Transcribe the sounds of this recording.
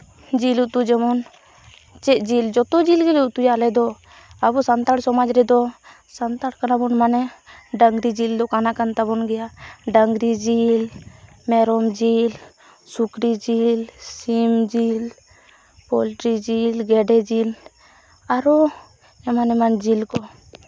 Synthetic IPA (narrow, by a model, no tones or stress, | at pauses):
d͡ʒilut̪ud͡ʒɛmɔn | t͡ʃɛd͡ʒild͡ʒɔt̪ɔd͡ʒilɡɛlut̪ujalɛd̪ɔ | abusant̪aɽsɔmad͡ʒɾɛd̪ɔ | sant̪aɽkanabɔnmanɛɖəŋɡɾid͡ʒild̪ɔkanakant̪abɔnɡɛjaɖəŋɡɾid͡ʒil | mɛɾɔmd͡ʒil | sukɾid͡ʒilsimd͡ʒil | pɔlʈɾid͡ʒilɡɛɖɛd͡ʒil | aɾu | ɛmanɛmand͡ʒilkɔ